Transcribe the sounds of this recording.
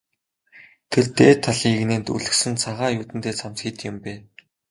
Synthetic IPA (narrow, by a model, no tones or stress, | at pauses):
t̪ʰert̪eːt̪ʰːaɮiːɣneːnt̪ṵɮɘ̆xsɘ̆nt͡sʰaʁaːjuːt̪ɘ̆nt̪ʰeːt͡sʰamt͡sxʲiːt̪jʊ̆mpeː